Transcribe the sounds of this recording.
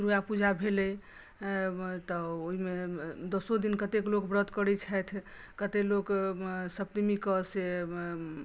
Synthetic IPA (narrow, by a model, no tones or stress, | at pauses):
ɾujapud͡ʒʱabʱelɛ | t̪ɔoɦimed̪osod̪inkət̪eklokbɾət̪kəɾɛt͡ʃʰɛt̪ʰ | kət̪eloksəb̚t̪imikəse